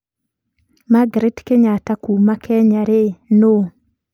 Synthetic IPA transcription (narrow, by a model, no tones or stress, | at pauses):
maɡɾetkeɲatakumakʰɛɲaɾeno